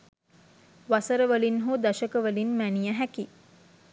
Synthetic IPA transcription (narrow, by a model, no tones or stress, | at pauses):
ʋasəɾəʋəlinɦod̪aʃəkəʋəlinmænijəɦæki